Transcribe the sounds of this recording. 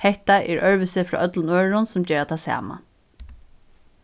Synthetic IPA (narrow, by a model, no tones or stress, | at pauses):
hɛht̪aʔɛɹœɹʋʏsɪfɾɑ̰ːʔœt̪lʊnøːɹɹʊnsʊmd͡ʒɛːɾat̪ʰasa̰ːma̰